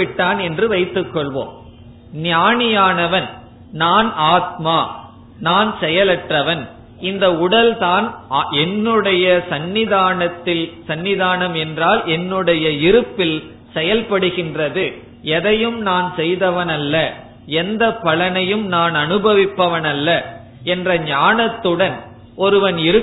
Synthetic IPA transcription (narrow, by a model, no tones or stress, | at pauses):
ʋɪʈːaːnɛndrɯʋɐɪt̪ːɯkːɔɭʋo̰ːm | nɪjaːɳɪjaːnɐʋɐn | naːnaːt̪̚maː | naːnsɛjɐlɐʈrɐʋɐn | ʔɪnd̪ɐʊɽɐlt̪aːnɛnːɯɽɐjɐsɐnːɪðaːnɐt̪ːɪlsɐnːɪðaːnɐmɛndraːlʔɛnːɯɽɐjɐɪɾɯpːɪl | sɛjɐlpɐɽɯɣɪndrɐðɯ | ɛðɐjɯmnaːnsɛjðɐʋɐnɐlːɐ | ɛnd̪ɐpːɐlɐnɐjɯmnaːnɐnɯbɐʋɪpːɐʋɐnɐlːɐ | ɛndrɐɲaːnɐt̪ːɯɽɐn | ʔɔɾɯʋɐnɪɾɯ